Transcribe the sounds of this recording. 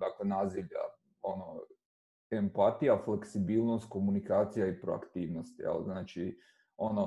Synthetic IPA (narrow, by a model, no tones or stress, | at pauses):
d̪aːklenaːziʋʎa̰ | ono | empat̪ijafleksibiːlˠnost̪̚ko̞munikaːt̪sijaipɾoa̰kt̪iːʋnost̪ja̰lznaːt͡ʃi | o̞no